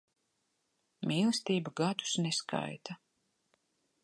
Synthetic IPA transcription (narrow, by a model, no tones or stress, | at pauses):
mʲiːlˠɨst̪iːbaɡad̪u̥sneskʰa̰jt̪ʰa